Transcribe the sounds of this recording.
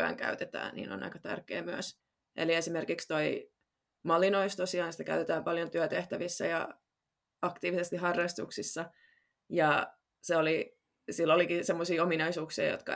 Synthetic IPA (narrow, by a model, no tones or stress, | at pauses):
æ̰ŋkæ̰yt̪et̪æ̰ːnnḭːno̰nɑ̰ikɑt̪æ̰rkḛːmyøs | ʔḛliesimerkikst̪oi | mɑlːinoist̪osiɑːnsi̥t̪ækæ̰yt̪et̪æːmpɑljont̪yøt̪eht̪æʋisːæ̰jɑ̰ | ɑkt̪iːʋisest̪iɦɑrːɑst̪uksisːɑ | jɑ | seoli | silːolikisemːosiːominɑisuːksḭːjo̰t̪kɑ̰